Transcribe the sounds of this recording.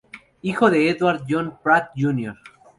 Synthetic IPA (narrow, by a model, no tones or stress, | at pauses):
ixoðeeðwaɾd̪jonpɾat̪̚d͡ʒunjoɾ